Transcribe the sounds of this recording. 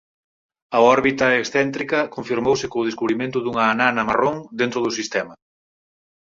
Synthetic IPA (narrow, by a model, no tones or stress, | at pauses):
ɐɔɾβit̪ɐeksθɛnt̪ɾikɐkoɱfiɾmowsɪkoːð̞eskuβɾimẽnt̪ʊðuŋɐːnanɐmaroŋd̪ent̪ɾʊðʊsist̪ɛmɐ